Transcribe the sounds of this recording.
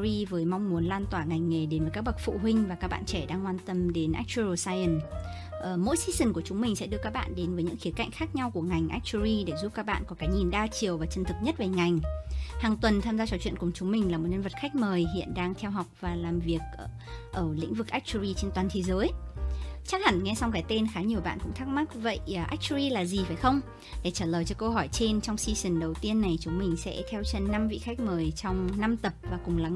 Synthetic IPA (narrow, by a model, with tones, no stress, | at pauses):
i˧vəː˨˦jma˧wŋ͡mmu˨˦ənlaː˧nt̪waː˧˩ŋa˨˩jŋ̟ŋe˨˩ɗe˨˦nvəː˨˦jka˦˥k̚ɓa˨˩k̚fṵ˧˨ɦwï˧ŋ̟vaː˨˩kaː˦˥k̚ɓa̰ː˧˨nt͡ɕɛ˧˩ɗaː˧ŋːwaː˧nt̪ə˧mɗe˨˦nʔa̰˦˥k̚t͡ɕu˧o˨˧˩saː˧jʔə˨˩n | ʔəː˨˩mo̰˧˥jsi˧˥sï˨˩ŋku˧˩ət͡ɕʊ˨˦ŋ͡mmï˨˩ŋ̟sɛ̰˧˥ɗɨ˧əkaː˦˥k̚ɓa̰ː˧˨nɗe˨˦nvəː˨˦ɲɨ̰˧˥ŋxi˨˦ka̰˧˨jŋ̟xaː˦˥k̚ɲa˧wku˧˩əŋa˨˩jŋ̟ʔa˦˥k̚t͡ɕu˧ɾi˧ɗe˧˩zu˦˥p̚kaː˦˥k̚ɓa̰ː˧˨nkɔ˨˦kaː˨˦ɲi˨˩nɗaː˧t͡ɕi˨˩əwvaː˨˩t͡ɕə˨˩nt̪ʰɨ˨˩k̚ɲə˦˥t̚ve˨˩ŋa˨˩jŋ̟haː˨˩ŋt̪wə˨˩nt̪ʰaː˧mzaː˧t͡ɕɔ˧˩t͡ɕwḭ˧˨ə˨nkʊ˨˩ŋ͡mt͡ɕʊ˨˦ŋ͡mmï˨˩ŋ̟laː˨˩mo˨˩t̚ɲə˧nvə˨˩t̚xa˦˥jk̟̚məː˨˩jɦḭ˧˨ənɗaː˧ŋt̪ʰɛ˧wɦa˨˩wk͡p̚vaː˨˩laː˨˩mvi˨˩ək̚ʔə˧˩ʔəː˧˩lḭ̈˧˥ŋ̟vɨ˨˩k̚ʔa˦˥k̚t͡ɕu˧ɾi˧t͡ɕe˧nt̪waː˨˩nt̪ʰe˨˦zəː˨˦j | t͡ɕa˦˥k̚ha̰˧˩ŋŋɛ˧sa˧wŋ͡mɣaː˨˩˦jt̪e˧nxaː˨˦ɲi˨˩əwɓa̰ː˧˨nkʊ̰˧˥ŋ͡mt̪ʰːk̚ma˦˥k̚və̰˧˨jʔa˦˥k̚t͡ɕu˧ɾi˧laː˨˩zi˨˩faː˧˩jxə˧wŋ͡m | ɗe˧˩t͡ɕaː˧˩ləː˨˩jt͡ɕɔ˧kə˧ɦɔ˧˩jt͡ɕe˧nt͡ɕɔ˧wŋ͡msi˧si˨˧˩nɗə˨˩wt̪i˧ənːa˨˩jt͡ɕʊ˨˦ŋ͡mmï˨˩ŋ̟sɛ̰˧˥t̪ʰɛ˧wt͡ɕə˧˩nnːa˧mvḭ˧˨xa˦˥k̟̚məː˨˩jt͡ɕɔ˧wŋ͡mna˧mt̪ə˨˩p̚vaː˨˩kʊ˨˩ŋ͡mla˨˦